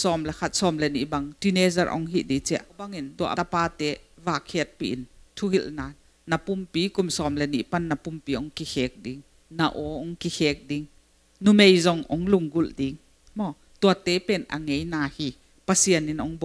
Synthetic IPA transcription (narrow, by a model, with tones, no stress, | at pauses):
sɔ˧mlɛ˧˨kʰa˧t̪̚sɔ˧mlɛ˧˨nḭ˨ʔba˧ŋti˧ne˧zɐ˧rʔɔ̰˧˦ŋɦi˧˨ʔdi˨˦t͡sɛ˦˨ʔa˦wba˧ŋi˨ndu˨ɐʔapaː˧t̪ɛ˨˦vaː˨˩kʰɛ˧˦t̪̚pi˧ʔi˨nt̪ʰu˧˦ɦi˧lnaː˧ | na˨pu˧mpi˨˦ku˧˨msɔ˧˨mlɛ˧˨nḭ˧˨ʔpa˧˨nːɐ˨pu˧mpiː˨˦ɔ˨˦ŋki˧xɛː˨˦k̚di˨˦ŋ | na˧ʔɔ˨˦ʔɔ˧˦ŋki˧xɛː˧˦k̚di˦ŋ | nu˧me˨jzɔ˧ŋʔɔ˨˦ŋlu˧˨ŋɡu˧ldi˨˦ŋ | mɔ˧˨ | t̪u˧ɐ˨t̪e˨˦pɛ˧˨nʔɐ̰˨ŋe˨˦jnaː˧hiː˧ | pɐ˨si˧əni˨nʔɔ˨˦ŋbɔ˨